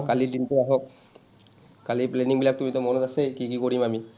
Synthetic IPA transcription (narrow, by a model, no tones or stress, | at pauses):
kalidintuaɦɔk̚ | kalipleniŋbilak̚tumitɔmɔnɔtasejkikikoɹimami